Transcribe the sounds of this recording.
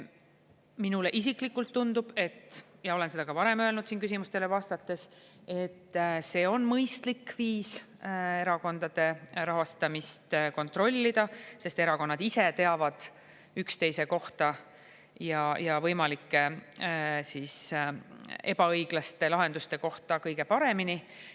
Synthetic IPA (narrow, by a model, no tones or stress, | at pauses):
minuleʔis̬iklikːˑult̪ːund̪ub̥e̞t̪ːˑjɑo̞le̞nse̞d̪ɑɡ̥ɑvɑɾe̞møelnud̪̥siːnkys̬ʲimust̪e̞levɑst̪ɑt̪ːe̞se̞t̪ˑːse̞ːo̞nmɤjst̪likːviːs | e̞ɾɑko̞nd̪̥ɑd̪̥e̞ɾɑɦɑst̪ɑmist̪ko̞nt̪ro̞lʲːid̪̥ɑse̞st̪e̞ɾɑko̞nːɑd̪̥ise̞t̪e̞ɑvɑd̪̥ | ykst̪e̞jse̞ko̞ht̪ɑ | jɑjɑvɤjmɑlikːe | siːs | e̞bɑɤjɡ̥lɑst̪e̞lɑɦe̞nd̪ust̪e̞ko̞ht̪ɑkɤjɡe̞pɑɾe̞mini